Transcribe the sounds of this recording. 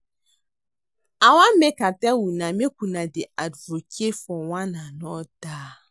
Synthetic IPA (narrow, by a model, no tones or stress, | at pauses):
awamekatɛwunamek̚ʷunadɪadvokefɔwananɔdaː